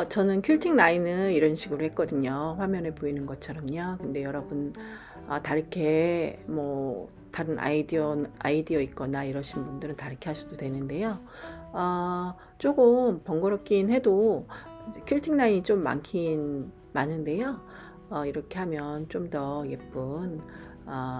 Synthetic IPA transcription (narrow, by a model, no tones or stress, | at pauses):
ʌt͡ɕʌnɯnkʰuɭtʰiŋnainɯniɾʌnɕʰiɡɯɾohek͈ʌdɯɲoɸwamjʌne̞poinɯnɡʌt͡ɕʰʌɾʌmɲokɯnde̞jʌɾʌbun | ʌtaɾɯkʰe̞mʌ | taɾɯnʔa̰idioa̰idiʌik͈ʌnaiɾʌɕʰinbundɯɾɯntaɾɯkʰe̞ɦaɕʰudodwe̞nɯnde̞jo | ʌ | t͡ɕ͈oɡɯmpʌŋɡʌɾʌk̚k͈inhe̞do | kʰiɭtʰiŋnaɲit͡ɕ͈omːa̰ŋkʰin | manɯnde̞jo | ʌiɾʌkʰe̞ɦamjʌnt͡ɕ͈omdʌje̞p͈ɯn | ʌ